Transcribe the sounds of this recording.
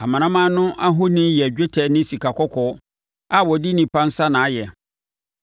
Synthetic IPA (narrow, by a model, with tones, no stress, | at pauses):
a˨mã˨nã˦mã˦nʊ̃˦ʔa˦ɦʊ˦nĩ˦jɛ˨d͡ʑᶣe˦tʰɛ˨nɪ̃˦si˨kʰa˨kʰɔ˦kʰɔ˨˦ | a˨wɔ˨di˦nĩ˨pʰã˦n̩˦sa˦nã˨˦jɛ˨